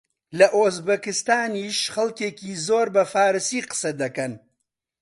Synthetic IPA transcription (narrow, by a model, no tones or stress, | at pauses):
lɐʔoːzbɐkɨst̪aːniːʃχɐlkeːkiːzoːɾbɐfaːɾɨsiːqɨ̥sɐd̪ɐkɐn